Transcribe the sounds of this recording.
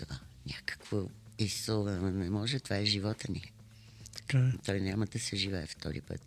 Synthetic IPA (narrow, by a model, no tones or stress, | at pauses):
ɔ | nʲakə̥kvo | isoənɛmɔʒɛt̪ovaɛʒivɔt̪əni | t̪ə̥kat̪ɔjnʲaməd̪ɐsɛʒivɛɛft̪ʰɔ̰ɾḭpə̰t̪